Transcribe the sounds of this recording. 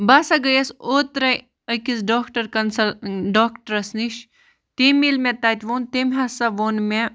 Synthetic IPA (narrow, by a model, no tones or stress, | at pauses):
basaɡɐjɐsoːt̪ɾɐj | əkisɖoːkʈɐɾkɐnsɐlɖoːkʈɐɾɐsniʃ | t̪emilmẽt̪aːt̪ʲʋoːnt̪emʲɦɐsaʋoːnme